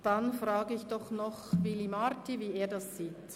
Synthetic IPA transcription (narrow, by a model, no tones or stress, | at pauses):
d̥anfrɑːɡəɪçd̥ɔχnɔχvilimaɾtiviːeːɐdɑsːiːt